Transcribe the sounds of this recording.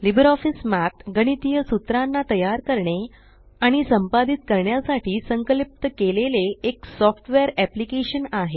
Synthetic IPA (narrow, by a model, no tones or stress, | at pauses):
libəɾɔfismat̪ɡəɽ̃it̪ijəsut̪ɾanːat̪əjaɾkəɾɳe | aɽ̃isəmpad̪it̪̚kəɾɳjasaʈʰiːsəŋkəlip̚t̪əkeleleeksɔfʈʋeɾæplikeɕənaɦe